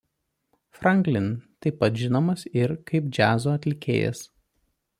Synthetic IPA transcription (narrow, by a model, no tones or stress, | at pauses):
fɾɐŋʲklʲɪnt̪ɐɪpːɐt̪ʒʲɪnoːmɐsɪɾkɐɪpd͡ʒʲæːzoːɐt̪ʲlʲɪkʲḛːjɛ̰s